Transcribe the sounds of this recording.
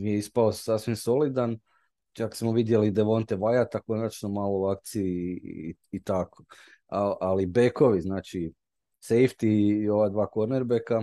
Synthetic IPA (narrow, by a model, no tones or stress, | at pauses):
mijeispaosasʋimso̞lid̪an | t͡ʃaksmoʋid̪je̞lid̪e̞ʋo̞nt̪eʋajat̪ako̞nat͡ʃnomaːlo̞uakt̪siiː | t̪ako̥ | aalibe̞ko̞ʋiznaːt͡ʃi | sejft̪iːo̞ʋad̪ʋaːko̞ɾneɾbeka